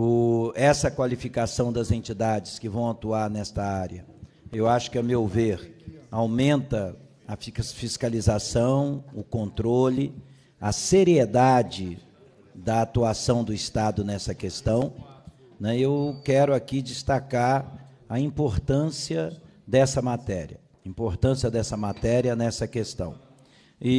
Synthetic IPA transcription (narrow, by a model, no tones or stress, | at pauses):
ʊɛsɐkwalifikasɐ̃w̃d̪ɐzẽnt͡ʃid̪ad͡ʒɪskɪvɐ̃w̃at̪uaɾnɛst̪ɐaɾjɐ | ewaʃʊ̥kɪɐmewveɾawmẽnt̪ɐ | ɐffiskalizasɐ̃w̃ʊkõnt̪ɾolɪ | ɐseɾied̪ad͡ʒɪ | d̪ɐat̪uasɐ̃w̃d̪ʊist̪ad̪ʊnɛsɐkest̪ɐ̃w̃ | nɛewkɛɾʊakid͡ʒist̪akaɾ | ɐĩpoɾt̪ɐ̃siɐ | d̪ɛsɐmat̪ɛɾiɐ | ĩmpoɾt̪ɐ̃siɐd̪ɛsɐmat̪ɛɾiɐnɛsɐkest̪ɐ̰̃w̃ | ɪ